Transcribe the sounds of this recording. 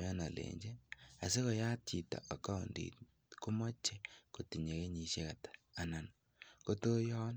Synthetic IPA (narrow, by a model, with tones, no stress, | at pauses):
jɔ˦na˨lḛ˨ɲd͡ʒe˦a˨se˦ko˨ja˦t̚t͡ʃi˨ta̰˨ʔa˨ka˦u˨ndḭt | ko˦mɔ˦t͡ʃːe˦ko˨ti˨ɲe˨ke˦ɲi˨ʃje˦ka˨tḁ˨a˨na˨n | ko˦to˦jɔ˦n